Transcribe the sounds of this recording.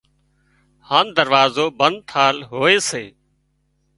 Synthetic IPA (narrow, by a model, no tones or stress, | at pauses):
haːnd̪əɾʋaːzoːbənd̪̚t̪ʰaːlɦoːeːseː